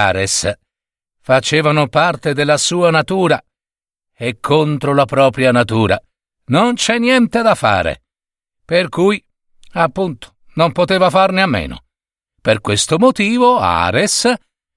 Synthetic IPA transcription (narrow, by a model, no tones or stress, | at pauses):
a̰ːɾes | fat͡ʃeːvanopart̪ed̪elːasuːanat̪uːɾa | ekʰːont̪ɾolapɾɔːpɾjanat̪uːɾa | nont͡ʃɛnːjɛnt̪ed̪afːa̰ːɾḛ | perkuj | apːunt̪o̥ | nompot̪eːvafarneamːḛːno̰ | perkwest̪omot̪iːvoa̰ːɾes